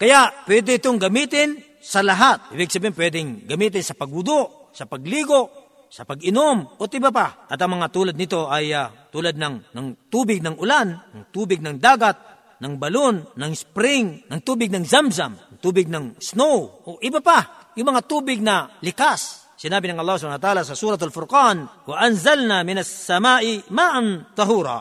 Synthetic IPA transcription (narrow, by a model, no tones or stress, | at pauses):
kɐjaʔpwɛːd̪ɛɪt̪oŋɡɐmiːt̪ɪn | sɐlɐɦat̪̚ʔɪbɪɡ̚sɐbinmpwɛːd̪ɪŋɡɐmiːt̪̬ɪnsɐpɐɡ̚ʊd̪oʔ | sɐpɐɡ̚liːɡoʔ | sɐpɐɡɪnomot̪ɪbapaʔɐt̪ɐŋmɐŋat̪uːlɐd̪nɪt̪o̞ʔɐjat̪uːlad̪̚nɐŋnɐŋt̪uːbɪɡ̚nɐŋʊlanɐŋt̪uːbɪɡ̚nɐŋd̪aːɡat̪̚ | nɐŋbɐlonːɐŋspɾɪŋnɐŋt̪uːbɪɡ̚nɐŋzamsamɐŋt̪uːbɪɡ̚nɐŋsnowʔoʔɪbapa | jʊŋmɐŋat̪uːbɪɡ̚nɐlɪkas | sɪnaːbɪnɐŋʔɐlˠˤːɑːhspanawat̪aaːlasɐsuːɾɐt̪alfʊɾkɑnwɐʔɐnzalnamɪnasːɐmaːʔɪmaːʔant̪ˤɑɦuːɾɑ̰